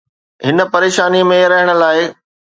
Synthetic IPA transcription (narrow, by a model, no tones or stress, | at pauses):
ɦɪnə̆pɐɾeːʃaːnimẽɾɐɦəɽ̃ə̆laːɪ